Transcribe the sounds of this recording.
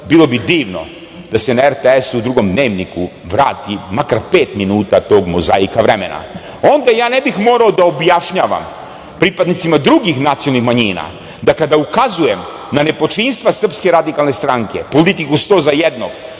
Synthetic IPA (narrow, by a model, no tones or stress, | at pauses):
bilˠo̞bid̪iːʋno̞̰ | d̪̥asenaeɾt̪eesud̪ɾuɡo̞md̪ne̞ːʋniku | ʋɾaːt̪imakaɾpe̞ːt̪minuːt̪at̪o̞ːɡmoza̰ikaʋɾemḛna̰ | o̞nd̪ajaːnebixmo̞ːɾaod̪ao̞bjaʃɲaːʋa̰m | pɾipad̪nit̪simad̪ɾuɡixnat̪siolnixmaɲiːna̰ | d̪akad̪aukazuje̞m | nane̞po̞t͡ʃinst̪ʋasr̩pske̞ɾad̪ikalˠne̞st̪ɾaŋke̞̰polit̪ikust̪o̞ːzajed̪no̞ɡ̥